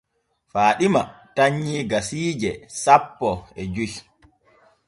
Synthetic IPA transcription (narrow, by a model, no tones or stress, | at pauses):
faːɗimataɲːiːɡasiːd͡ʒɛsapːɔɛd͡ʒuj